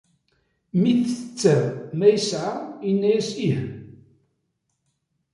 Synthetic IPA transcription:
miθət͡sːæɾmæjəsʕainːæjæsih

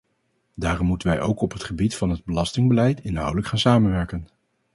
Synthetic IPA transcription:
daːrɔmːutənʋɛjʔo̰wkɔpɦətχəbitfɑnɦəd̚bəlɑstɪŋbəlɛjtɪnɦʌ̰wdələkχaːnsaːmənʋɛɹkən

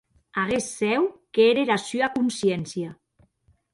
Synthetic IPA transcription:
aɣesːɛwkeeɾeɾasyakunsjɛnsja

